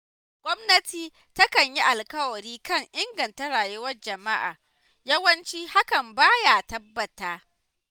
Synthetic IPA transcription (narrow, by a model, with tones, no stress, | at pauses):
ɡ̥ʷɔ˦mnɐ˦tiː˦ | tɐ˦kɐ˨ɲji˦ʔa˨lkɐ˦wɐ˨ɽiː˦kɐ˦˨ŋʔɪ˦ŋɡɐ˨nta˦ɽaː˨jʊ˦wɐ˦rd͡ʒɐ˨ma˦ʔa̰ː˨ | jɐ˦wɐ˦nt͡ʃiː˦ha˦kɐ˨mbaː˦jaː˨tɐ˦bːɐ˨taː˦